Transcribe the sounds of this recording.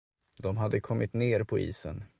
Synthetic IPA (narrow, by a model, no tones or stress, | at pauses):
d̪ɔmɦad̪ːəkʰɔmːɪt̪neːɾpʰɔḭːsə̰n